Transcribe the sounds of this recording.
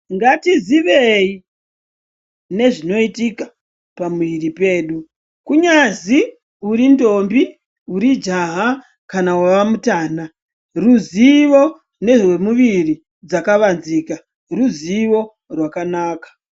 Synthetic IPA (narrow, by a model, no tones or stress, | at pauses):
ŋɡatiziʋei | ne̞ʐino̞itika | pamuiripe̞ːɗu | kuɲazi | uɾindo̞mbi | uɾid͡ʒaɦa | kanawaʋamutaːna | ruziʋo | ne̞ʐemuʋiri | d͡zakaʋanziːka | ruziʋo̞ | rwakanaːkḁ